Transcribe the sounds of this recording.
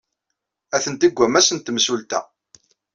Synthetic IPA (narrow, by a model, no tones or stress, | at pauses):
æθənt̪iɡʷːæmæsənt̪msult̪æ̰